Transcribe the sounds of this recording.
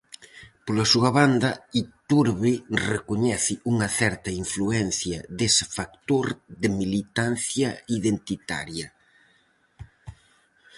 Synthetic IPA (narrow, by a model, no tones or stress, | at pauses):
polasuɐβand̪ɐit̪uɾβɪrekoɲɛθɪuŋɐθɛɾt̪ɐiɱfluɛn̟θjɐd̪esɪ̥fak̚t̪oɾðɪmilit̪an̟θjɐiðent̪it̪a̰ɾjɐ